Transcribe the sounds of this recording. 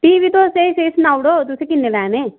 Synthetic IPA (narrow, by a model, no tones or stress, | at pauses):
ʈiːʋit̪oseiseːsnaːwɽoːt̪ʊsẽkɪnːelɛːneː